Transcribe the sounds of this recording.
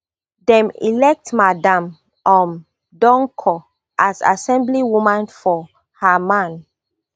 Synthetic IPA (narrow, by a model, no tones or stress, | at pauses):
dɛ̃mḭlɛk̚tmadãm | ãm | dɔ̃ŋkʰɔ | ʔasa̰sɛ̃mbliwumãnfɔ | hamãn